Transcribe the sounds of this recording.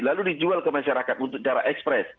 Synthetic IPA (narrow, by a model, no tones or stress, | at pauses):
laludid͡ʒualkəmaʃaɾakat̪̚unt̪ʊk̚t͡ʃaɾa̰ʔɛkspɾɛs